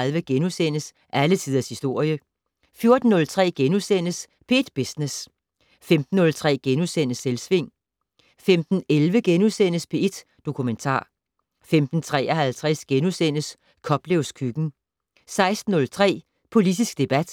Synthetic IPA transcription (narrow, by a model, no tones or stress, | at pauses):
lʋəɡ̥enusen̰əs | ʔælət͡sʰiðˠɐshisd̥o̝ɐ̰jə | fjo̝ɐd̥n̩ːɔ̽lt͡sʰʁɛ̰ːɡ̥enusen̰əs | pʰee̝d̥b̥esnes | femd̥n̩ːɔ̽lt͡sʰʁɛ̰ːɡ̥enusen̰əselsʋe̝ŋ̰ | femd̥n̩elʋəɡ̥enusen̰əspʰe̝e̝d̥ | d̥o̝kʰument͡sʰɑ̰̈ː | femd̥n̩t͡sʰʁɛ̰ːʔɐɦælt͡sʰʁɛsɡ̥enusen̰əs | kʰɒ̽b̥leʊskʰyɡ̥n̩ | sɑ̈ɪsd̥n̩ːɔ̽lt͡sʰʁɛ̰ː | pʰo̝lid̥isɡ̥̚d̥e̝b̥æd̥